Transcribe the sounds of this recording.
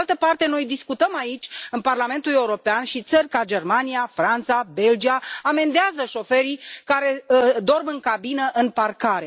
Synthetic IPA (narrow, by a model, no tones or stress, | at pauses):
alt̪əpart̪e̞no̞jd̪iskut̪əmait͡ʃʲɨnparlame̞nt̪ule̞uɾo̞peanʃit̪sərʲkad͡ʒe̞rmanijafɾant̪sabe̞ld͡ʒiaːme̞nd̪eazəʃo̞fe̞ɾijkaɾe̞d̪o̞rbɨŋkabinəʔɨnparkaɾe̞